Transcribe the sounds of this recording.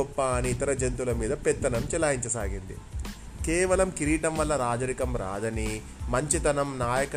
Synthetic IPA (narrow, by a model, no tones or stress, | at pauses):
ɔpːaːniːt̪ɐɾɐd͡ʒent̪ulɐmiːd̪ɐpɛt̪ːɐnɐmt͡ʃɛlaːjiɲt͡ʃɐsaːɡind̪ḭ | kɛːʋɐlɐmkiɾiːʈɐmʋɐlːɐɾaːd͡ʒɐɾikɐmɾa̰ːd̪ɐni | mɐɲt͡ʃit̪ɐnɐmnaːjɐkɐ